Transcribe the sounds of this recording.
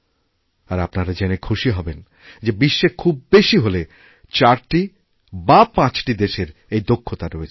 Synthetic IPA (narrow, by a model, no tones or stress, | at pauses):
aɾapnaɾad͡ʑenekʰuʃiɦɔben | d͡ʑebiʃːekʰubːeʃiɦole | t͡ɕaɾʈi | bapãt͡ɕʈid̪eʃeɾejd̪okʰːot̪aɾoet͡ɕʰ